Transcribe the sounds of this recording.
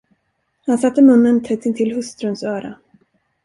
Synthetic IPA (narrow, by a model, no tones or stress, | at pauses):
hansat̪ːəmɵnːənt̪ʰɛt̪ːɪnt̪ʰɪlhɵst̪ɾɵnsœːɾa̰